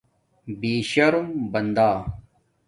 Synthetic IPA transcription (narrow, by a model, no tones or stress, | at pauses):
biːɕɐɾumbɐnd̪aː